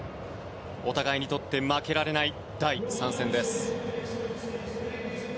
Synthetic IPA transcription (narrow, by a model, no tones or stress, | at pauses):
o̞t̪aɡaiɲ̟it̪o̞t̪ːe̞make̞ɾaɾe̞nai | d̪̥aisãɰ̃sẽ̞nd̪e̞sɨ̥